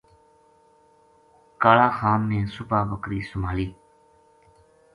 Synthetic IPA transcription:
kaːlaːxaːmːẽːsʊpaːbəkɾiːsʊmaːliː

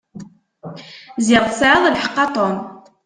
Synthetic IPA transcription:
zɪʁsʕəðˤælħəqːɑt̪ˤon

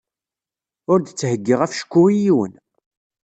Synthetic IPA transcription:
ʊɾd̪t͡sːhəɡːiʁæfʃə̥kʷːuijiwə̰n

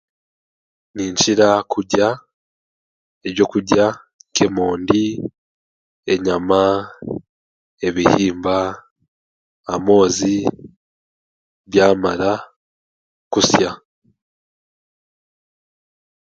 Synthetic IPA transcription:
niːɲt͡ʃiɾakʰuɟa | eβjo̞kuɟa | kemo̞ːndi | e̞ɲama | e̞βihiːmba | mo̞ːzi | βjaːmaɾa | kusja

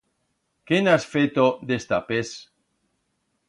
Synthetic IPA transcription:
kenasfet̪od̪est̪apes

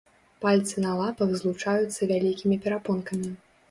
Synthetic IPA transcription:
palʲt̪sɨnɐlˠapɐɣzlˠut͡ʂajut̪sːɐvʲalʲikʲimʲipʲɛɾapɔnkɐmʲi

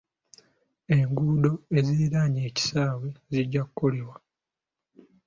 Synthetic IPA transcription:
e̞ŋɡuːdo̞eziɾaːɲeːci̥saːweziɟːakukːo̞liwa

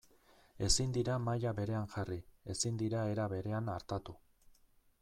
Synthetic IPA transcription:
e̞sind̪iɾamajaβe̞ɾe̞aŋʝarie̞sind̪iɾae̞ɾaβe̞ɾe̞anaɾt̪at̪u

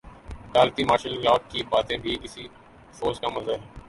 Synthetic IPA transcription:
kaːlt̪iːmaːʃəllaːk̚kibaːt̪ẽːbʱikɪsi | foːzkamɐzəɦɛː

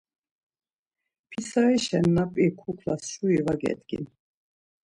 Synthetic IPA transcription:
pʰisaiʃɛnːapʼikʰukʰlasʃuivaɡɛ̰t̪ʼɡ̥ḭn

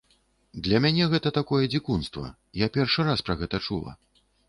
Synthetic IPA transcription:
d̪lʲɐmʲanʲɛɣɛt̪ɐt̪akɔjɛd͡zʲikunst̪vɐ̰ | japʲɛrʂɨɾaspɾɐɣɛt̪ɐt͡ʂṵlˠɐ̰

